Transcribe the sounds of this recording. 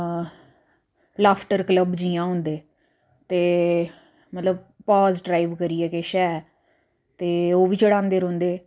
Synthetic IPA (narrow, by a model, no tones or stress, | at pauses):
laːpʰʈəɾkləbd͡ʒiːãːɦʊ̃nd̪eː | t̪eː | mət̪ləb̚ | pɔːzɖɾaːiːʋkəɾiːɛːkeːʃɛː | t̪eːoːʋiːt͡ʃəɽãːnd̪eːɾõːnd̪eː